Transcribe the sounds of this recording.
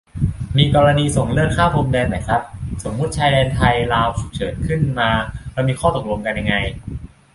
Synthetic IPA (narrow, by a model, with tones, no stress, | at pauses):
miː˧kɔː˧ɾa˧niː˧so˩˦ŋlɯ˥˩əŋkʰaː˥˩wpʰo˧mdɛː˧nma˨˩jsa˦˥p̚so˩˦mːu˦˥t̪̚t͡ɕʰaː˧jdɛː˧nt̪ʰa˧jlaː˧wsʰu˨˩p̚t͡ɕʰɤː˩˦nkʰɯ˥˩nmaː˧ɾɛː˧˦˥wmiː˧xʰɔː˥˩t̪o˨˩k̚lo˧mka˧nja˧ŋːa˧j